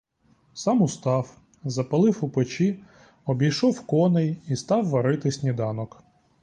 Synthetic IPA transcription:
sɑmʊst̪ɑw | zɐpɐlˠɪwupɪt͡ʃi | ɔbʲijʃɔwkɔnejist̪ɑwːɐɾɪt̪ɪsʲnʲid̪ɑnɔk

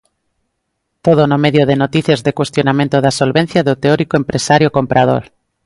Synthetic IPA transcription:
t̪oð̞onomeðjoð̞enot̪iθjezðekwe̞st̪jonamẽnt̪oðasolβen̟θjaðot̪eoɾikoempɾesaɾjokompɾað̞o̰ɾ

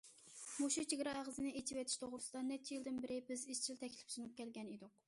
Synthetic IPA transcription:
muʃut͡ʃʰeɡʲɾɑʁəzɨnɪet͡ʃʰiwɛt̪ʰi̥ʃt̪ʰoʁɾusɨd̪ɑnɛt͡ʃʰːijild̪ɪnbɪɾɪbɪzizt͡ʃʰilt̪ʰɛkʲlɪ̥fsunup̚kʲɛlɡʲɛned̪ʊq̚

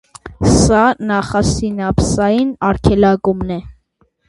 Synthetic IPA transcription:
sɑnɑχɑsinɑpsɑjinɑɾkʰɛlɑɡumnɛ

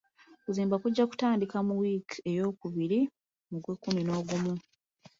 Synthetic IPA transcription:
kuziːmbakuɟːaku̥taːndikamuwike̞jo̞ːkuβiɾi | moɡwekːumino̞ːɡumu

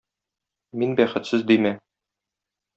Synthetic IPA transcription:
minbæχɘ̆t̪sɘzd̪imæ

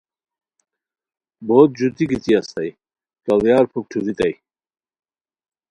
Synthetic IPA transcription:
boːt̪̚d͡ʑut̪iɡit̪iɐst̪ɐj | kɐwjaːɾpʰuk̚ʈʰuɾit̪ɐj

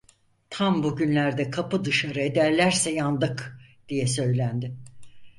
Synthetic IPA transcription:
t̪ʰambuɟynlʲæɾd̪ɛkʰapɯd̪ɯʃaɾɯed̪æɾlʲæɾsɛjand̪ˠɯkd̪̥ijɛsø̞jlʲænd̪ɪ

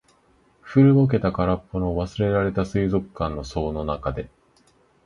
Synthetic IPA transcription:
ɸɯ̟ɾɯ̟ok̬e̞t̪akaɾapːono̞βasɨɾe̞ɾaɾe̞t̪asɨizo̞kɯ̥kːãnːo̞so̞ːno̞nakad̪e̞

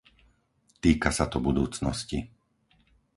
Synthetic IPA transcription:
t̪iːkasat̪ɔbud̪uːt͡snɔ̰sci

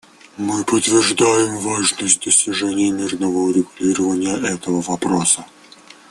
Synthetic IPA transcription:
mɨpət̪vʲɪrʐd̪ajɪmvaʐnəsʲt̚ʲd̪əsʲtʲɪʐɛnʲɪjəmʲirnəvəʊɾʲɪɡʊlʲiɾəvənʲɪjəʔɛt̪əvəvɐpɾosə

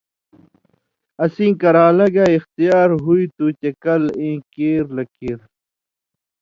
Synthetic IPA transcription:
ɐsĩːkɐɾaːlɐɡaixt̪ijaːɾɦuit̪ut͡ɕɐkɐlẽːkeːɾlɐkiɾ

